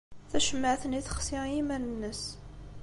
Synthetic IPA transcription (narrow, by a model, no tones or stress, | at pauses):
θæʃəmːəʕθəniθə̥χsɪʁjimænənːəs